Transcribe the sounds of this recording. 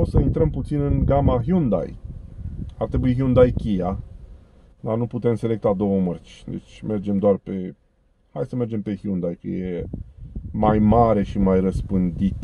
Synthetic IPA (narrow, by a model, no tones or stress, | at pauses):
osəint̪ɾəmput̪sinɨnɡamaɦiund̪a̰j | art̪ɾebuiɦiund̪ajkʲija | d̪anuput̪e̞mse̞le̞k̚t̪ad̪o̞wəmərt͡ʃʲd̪ḛt͡ʃʲme̞rd͡ʒe̞md̪oarpe̞ | hajsəme̞rd͡ʒe̞mpe̞hjund̪ajkə̰je | majmaɾe̞ʃimajrəspɨnd̪it̪